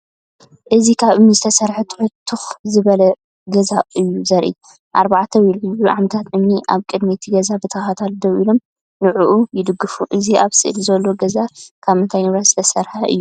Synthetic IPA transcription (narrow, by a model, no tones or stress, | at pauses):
ʔɨzikʰaβɨmnizɨt̪ʰɐsɐɾħɐt̪ʰɨ̥ħʊt̪ʰːɨxzɨβɐlɐ | ɡɐzaɨjːuzɐɾʔḭ | ʔaɾbaʕt̪ʰɐwɪlɨzuʕamɐt̪ʰat̪ʔɨmniʔaβkʼɨd̪mit̪ʰiɡɐzabɨt̪ʰɐhat̪ʰald̪ɐwilo̞m | nɨʕuʔujɪd̪ɨɡːɨfuʔɨziaβsɨʔlzɐlːo̞ɡɐzakʰaβɨnt̪ʰajnɨβɾazɨt̪ʰɐsɐɾħaʔɨ̰jːu